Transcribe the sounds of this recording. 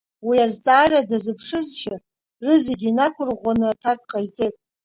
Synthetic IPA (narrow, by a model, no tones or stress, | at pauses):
wiazt͡sʼaːradazɨpʰʂɨzʃa | rɨzeɡʲinakʷʰʊrʁʷanɨatʰakʼqʼajt͡sʼetʼ